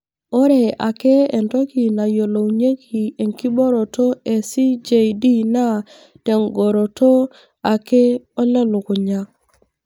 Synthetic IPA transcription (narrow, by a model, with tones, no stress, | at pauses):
o˦ɾe˨ʔa˨kɛ˦e˨ntɔ˦ki˨na˨jo˨lo˨wɲe˦ki˨e˨ŋki˦bɔ˦ɾo˨to˦e˨si˦d͡ʒe˨di˦na˦ | tɛ˨ŋɡo˨ɾo˨to˦ | a˨kɛ˦ɔ˦lɛ˦lʊ˨kʊ˨ɲa˦